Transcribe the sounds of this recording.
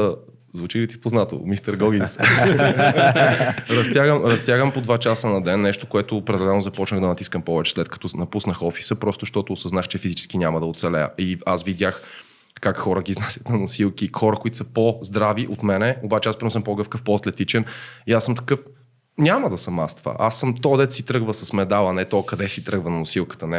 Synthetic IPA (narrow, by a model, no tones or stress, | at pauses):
zvut͡ʃilit̪ipoznat̪o̰mist̪əɾɡɔɡ̟ins | ɾɐst̪jaɡəmɾɐst̪ʲjaɡəmpod̪vat͡ʃasənɐd̪ɛnːɛʃt̪okoɛt̪ʊpɾɛd̪ɛlɛlnʊzɐpɔt͡ʃnəɣd̪ɐnɐt̪i̥skəmpɔvɛt͡ʃɛ̥slɛt̪̚kɐ̥t̪ɔnɐpusnəxɔfi̥səpɾɔst̪ʊʃt̪ɔt̪oːsəznaxt͡ʃɛfizit͡ʃɛ̥skinʲamɐd̪ɐot̪sɛlɛjə̰iasvid̪ʲax | kakxɔɾəɡʲiznasʲə̥t̪nɐnʊsilˠkixɔɾəkoit̪u̥sɐpozd̪ɾaviʔot̪mɛnɛobat͡ʃɛaspɾʲinɔs̬əmpoɡɤfkəfpɔɐt̪lɛt̪it͡ʃɛniasəmt̪ɐ̥kɤf | nʲaməd̪ɐsɐmast̪və̰ʔasːɤmt̪ɔd̪ɛt̪sit̪ɾɤɡvəsɐsmɛd̪alˠɐnɛt̪ɔkɐd̪ɛsit̪ɾɤɡvənɐnʊsilˠkə̥t̪ənɛ